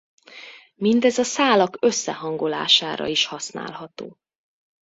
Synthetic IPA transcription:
mind̪ɛzɒsaːlɒkø̞sːɛɦɒŋɡo̞la̰ːʃaːɾɒ̰iʃhɒsna̰ːlɦɒt̪oː

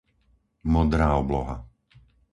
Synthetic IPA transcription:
mɔd̪ɾaːɔblɔɦa̰

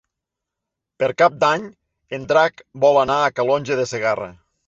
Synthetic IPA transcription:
peɾkap̚d̪aɲ | end̪ɾakbɔlanaːkalɔnʲʒeðeseɣarə̰

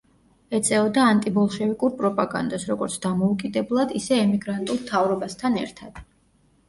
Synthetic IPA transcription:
ɛt̪sʼɛɔd̪aːnt̪ʼibɔlˠʃɛvikʼuɾpʼɾɔpʼaɡa̰nd̪asɾɔɡɔɾt̪sʰd̪amɔukʼid̪ɛblˠad̪isɛːmiɡɾant̪ʼulˠmt̪ʰavɾɔbast̪ʰanɛ̰ɾt̪ʰad̪̥

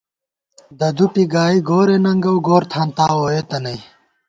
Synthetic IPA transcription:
d̪ɐd̪uʈiɡaːiɡoːɾenɐŋɡɐwɡoːɾt̪ʰaːnt̪aːwoːet̪ɐnɐj

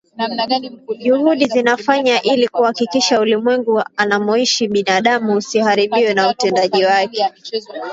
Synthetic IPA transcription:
ʄuhuɗizinafaɲaʔilikuhakikiʃaulimwɛŋɡuanamɔiʃiɓinaɗamuːsihaɾiɓiwɛnautɛndaʄiwakɛ

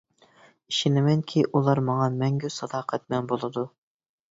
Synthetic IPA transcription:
iʃinɪmɛŋkʲʰiʔulˠɑɾmɑŋɑmɛŋɡʲysɑd̪ɑːqʰæt̪̚mɛnbolˠɨd̪u

